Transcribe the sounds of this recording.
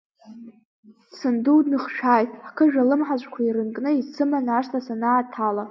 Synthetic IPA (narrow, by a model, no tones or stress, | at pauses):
sɨnduwdnɨχʃᶣaːjtʼħkʰɨʒᶣalɨmħaʒʷʼkʷʰaiɾɨnkʼnɨit͡sʰɨmanaʂtʰasanaːtʰala